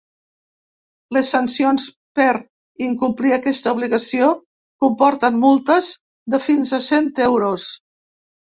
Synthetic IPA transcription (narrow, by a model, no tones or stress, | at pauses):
ləsːənsions | pəɾ | iŋkumpliəkɛst̪əuβliɣəsio | kumpɔɾt̪ənmulˠt̪əz | ðəfinzəsent̪ɛwɾos